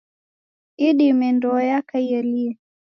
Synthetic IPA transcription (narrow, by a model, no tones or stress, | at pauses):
iɗimɛndɔːjakaiɛliɛ